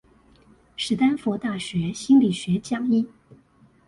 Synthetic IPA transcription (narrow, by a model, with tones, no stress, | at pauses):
ʂɻ̩˨˩t̪a˥nfɔ˧˥t̪a˥˩ɕɥɛ˧˥ɕi˥nli˨˩ɕɥɛ˧˥t͡ɕjɑ˥˩ŋi˥